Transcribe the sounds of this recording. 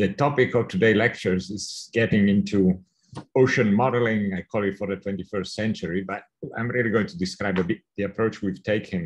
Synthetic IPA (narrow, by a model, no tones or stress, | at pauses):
ðɨtɔpɪkɔvtʰɨdeɪlɛk̚t͡ʃə˞zɪz̥ɡ̥ɛɾɪ̃ŋɪ̃ntʰu | oʊʃə̃nmɔɾəl̩ɪ̃ŋajkʰɔlˠɪtfɔɾðətwɛ̃ntifɜ˞stsɛ̃nt͡ʃəɹibʌt̚ | ã̰ɪ̃mɹilˠiɡoʊɪ̃ŋtʰudɨskɾaɪbəbɪt̪̚ðiɨpʰɹoʊt͡ʃwiv̥tʰeɪkʰɨ̃n